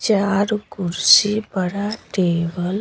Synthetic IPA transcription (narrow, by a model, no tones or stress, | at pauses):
t͡ʃaːɾɡuɾsibəɽaʈeːbəl